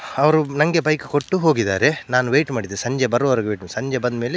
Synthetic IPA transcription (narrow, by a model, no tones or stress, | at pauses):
ɐʋɐɾunɐŋɡe̞bɐjku̥koʈːuɦo̞ːɡid̪aːɾenaːnuʋeːjʈmaːɽid̪eːsɐɲd͡ʒebɐɾoʋɐɾɡʋeːʈmsɐɲd͡ʒebɐnd̪meːle